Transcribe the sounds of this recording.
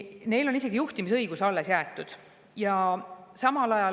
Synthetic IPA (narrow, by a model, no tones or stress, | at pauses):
ne̞jlo̞nis̬e̞ɡ̥ijuht̪imisɤ̞jɡ̥usɑlːe̞sjæet̪ːˑud̪̥ | jɑsɑmɑlɑjɑ